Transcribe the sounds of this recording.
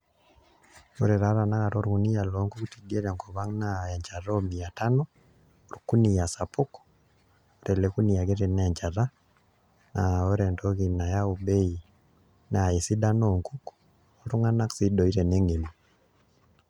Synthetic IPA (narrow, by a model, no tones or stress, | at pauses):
oɾɛɾaɾanaɣaɾoɾuɣunijaloŋkukutiɡeɾaŋkoβaŋnajaɲt͡ʃaɾɔmiatanɔ | oɾukunijasapukɔ̥ | oɾɛlekunijaɣeɾɛnɛɲt͡ʃaɾa | naoɾɛndɔɣinajaubei | naisidanoŋkuk | oɾuŋanaksidɔiɾɛneŋimo